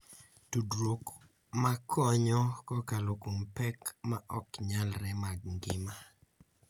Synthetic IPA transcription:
tudɾok | makʰɔɲɔkɔkalokompɛkmaʔɔkɲalɾɛmaɡŋɡɪma

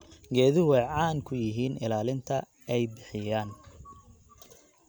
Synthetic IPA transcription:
ɡɛːðɪɦʊɛjʕɑːŋkʰʊjɪɦiːnɪlaːlɪnt̪ʰɐ | ɛjbɪħɪjaːn

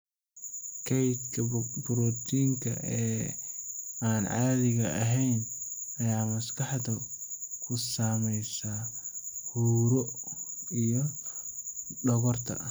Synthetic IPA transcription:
kʰɛjt̪kʰɐbʊɾɔt̪ʰiːŋkʰɐ̰ʔɛː | aːnʕɑːðɪɣɐʔɐɦɛjnɐjaːmɐskʰɑħd̪ɐkʰʊsaːmɛjsaːhuːɾɔ | ijɔ | ɖɔɣɔrt̪ʰɐ̰ʔ

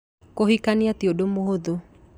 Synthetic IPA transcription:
kohikaniat̪iodomoɦoðu

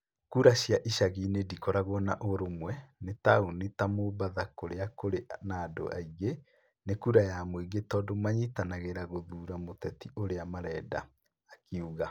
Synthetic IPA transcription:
kuɾaɕjaʔiʃaɣinedikɔɾaɣwɔnaʔoɾomwɛnetaonetamobaðakoɾeakoɾenaːdo̰ʔa̰iɣe | nekuːɾajamweɡetɔːdomaɲitanaɣeɾaɣoðuːɾamotɛtiʔoɾeamaɾɛda̰ː | keuɣa

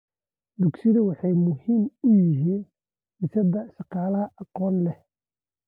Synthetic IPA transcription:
d̪ʊksɪðɐwɑħɑjmʊhiːmʊjɪɦiːn | ɪsɐd̪ɐʃɑqɑːlɐhɐʔɑqɔːnlɛh

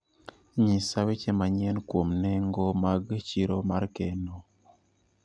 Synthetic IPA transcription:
ɲisawit͡ʃɛmaɲɛnkwomnɛŋɡɔmaɡt͡ʃiɾomaɾkɛno

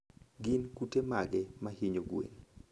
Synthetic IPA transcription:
ɡɪnkutemaɡɛmahiɲoɡwḛn

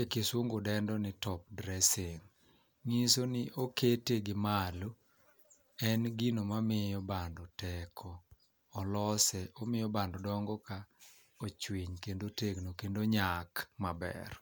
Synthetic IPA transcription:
ekeswoŋɡodɛndɔnɪtɔp̚dɾɛseŋ | ŋisonɪʔoketeɡɪmalo | ɛnɡinomamɪjɔbandɔtɛkʰɔː | lɔsɛɔmɪjɔbandɔdɔŋɡɔka | ot͡ʃwiɲkendoteɡnokendoɲakmabɛ̰r

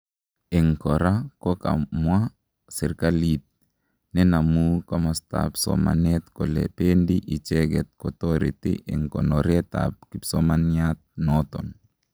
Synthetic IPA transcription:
iŋkɔɾakɔka̰mwa | siɾkalit̪̚ | nɛnamukamasta̰psɔ̰ma̰net̪kɔlḛpendiʔit͡ʃɛɡɛt̪̚kɔtoɾitḭʔɪŋkɔ̰nɔɾɛta̰p̚kipsɔmaniat̪̚nɔt̪ɔn

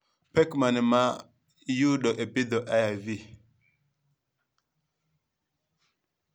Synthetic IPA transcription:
pɛkmanma | juɗɔʔebid̪ɔʔaavi

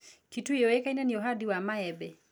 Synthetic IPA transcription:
kituijɔwɛkainaniɔɦadiwamaɛbɛ

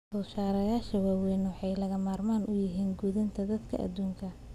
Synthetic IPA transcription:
bʊːʃaːɾɐjaːʃɐwaːwɛjnwɑħɑjlɐɣɐmaːrmaːnʊjɪɦiːnɡuːðɐnt̪ʰɐd̪ɐd̪kʰɐ̰ʔɐ̰d̪uːŋkʰɐ

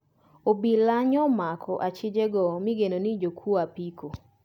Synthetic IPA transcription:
obilaɲɔmakʰɔʔat͡ʃɪd͡ʒeɡɔmɪɡenonid͡ʒokʰwoapiko

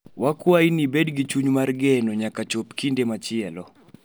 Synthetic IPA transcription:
wakwajnibedɡit͡ʃuɲmarɡɛnɔɲakat͡ʃopkindemat͡ʃɪɛlɔ

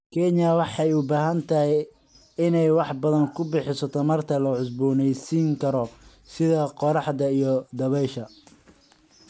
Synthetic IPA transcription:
kʰɛɲɐwɑħɑjʊbaːɦɐnt̪ʰɐɦɪj | ɪnɛjwɑħbɐðɐŋkʰʊbɪħɪsɐt̪ʰɐmɐrt̪ʰɐlɐʕʊs̬buːnɛjsiːŋkʰɐɾɔ | sɪðɐqɔɾɑħd̪ɐijɔd̪ɐβɛʃɐ

